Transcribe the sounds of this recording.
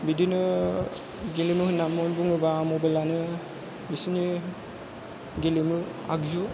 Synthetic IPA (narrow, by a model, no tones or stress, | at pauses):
bidinɯ | ɡelimɯhɯnːamɔnbuŋɯbamobalanɯ | bisini | ɡelimɯ | a̰ɡzu